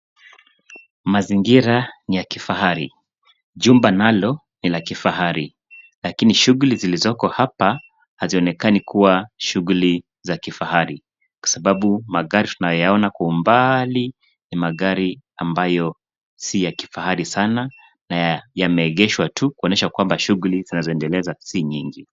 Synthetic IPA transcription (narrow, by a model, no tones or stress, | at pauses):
maziŋɡiɾanijakifaɦaɾḭ | ʄumbanalɔ | nilakifaɦaɾi | lakiniʃuɣulizilizɔkɔhapa | haziɔnɛkanikuwaʃuɣuli | zakifahaɾi | kwḁsaɓaɓumaɣaɾitunajɔjaɔnakwaumbali | nimaɣaɾiambajɔ | sijaki̥fahaɾisana | najamɛːɠɛʃwatʰukuɔnɛʃakwambaʃuɣulizinazɔɛndɛlɛzasiɲiŋɡi